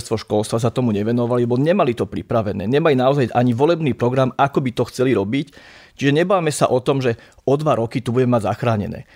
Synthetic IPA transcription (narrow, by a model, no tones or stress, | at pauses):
st̪ʋɔʃkɔlˠst̪ʋas̬at̪ɔmuɲɛʋɛnɔʋalilɛbɔɲɛmalit̪ɔpɾipɾaʋɛnɛ̰ːɲɛmalinaɔzajʔaɲiʋɔlɛbniːpɾɔɡɾamakɔbit̪ɔxt͡sɛliɾɔbict͡ʃiʒɛɲɛbaːmɛsa̰ʔɔt̪ɔmʒɛ | ɔd̪ʋaɾɔkit̪ubuɟɛmɛmaɟza̰xɾaːɲɛ̰nɛ̰ː